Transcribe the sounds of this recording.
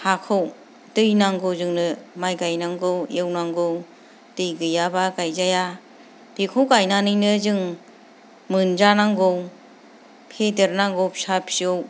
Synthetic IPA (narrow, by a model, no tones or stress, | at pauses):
hakʰɯw | dɯjnaŋɡɯwzɯŋnɯmajɡajnaŋɡɯwjewnaŋɡɯw | tɯjɡɯjabaɡajzaja | d̥ikʰowkajnanɯjnɯzɯŋ | mɯnd͡ʒanaŋɡɯw | pʰedeɾnaŋɡɔwpʰsapʰsɯw